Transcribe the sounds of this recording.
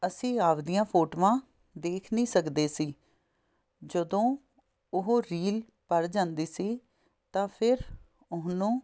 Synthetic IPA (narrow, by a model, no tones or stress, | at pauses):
əsĩːaːʋd̪ijãːpʰoːʈːʋãː | d̪eːkʰnĩːsəkd̪eːsiː | d͡ʒəd̪õː | ʊɦoːɾiːl | pəɾd͡ʒãːnd̪iːsiː | t̪ãːpʰɪɾ | ʊsnũː